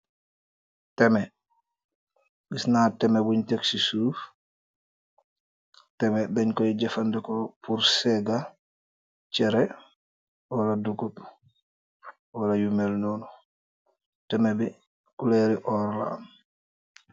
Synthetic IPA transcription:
tɛmɛ | ɓisnatɛmɛwuɲteksisuːf | tɛmɛɗɛɲkɔiɟɛfandɛkɔpuɾsɛɡa | t͡ʃɛɾɛ | wɔladukut | wɔlajumɛlnɔnu | tɛmɛbi | kulɛɾiʔɔɾa̰ːm

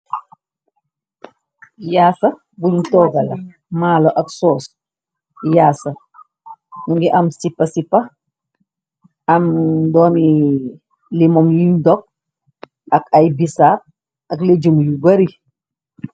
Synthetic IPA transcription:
jaːsɐ | buɲtɔːɡɐlɐ | maːlɔʔɐksɔːs | jaːsɐ | nuŋɡiʔɐmsipːɐsipːɐ | ɐmdɔːni | limɔmliɲdɔk̚ | ɐkajbisaːp̚ | ɐkled͡ʒumjubɐɾi

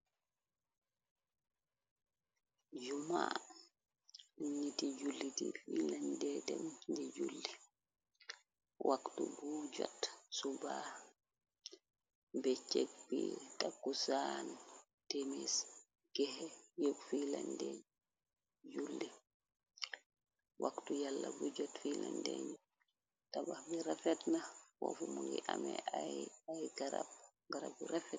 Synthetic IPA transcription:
d͡ʒuma̰ | ɲitid͡ʒulːitḭfilandɛdɛmd͡ʒɛd͡ʒulːi | wʔaktubud͡ʒɔ̰tsuba | bɛt͡ʃek̚bḭtakːusan | temis | ɡ̥ɛhɛjokfilandeɲ | julːi | wʔaktujalːabud͡ʒɔtfilandḛɲu | tabahbiɾafɛtnawɔ̰fumuŋɡiʔamɛaajɡaɾa̰b̚ | ɡaɾabiɾafɛt̚

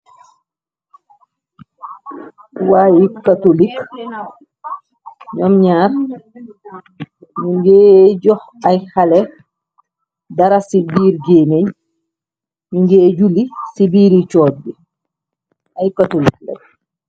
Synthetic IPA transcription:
wajikatolik | ɲɔmɲaːɾ | miɲɡɛːd͡ʒɔh | ajhalɛ | daɾasibiːɾd͡ʒeneɲ | miɲɡɛːd͡ʒulisibiːɾit͡ʃɔːɾdi | ʔajkatolik̚lɛ̰j

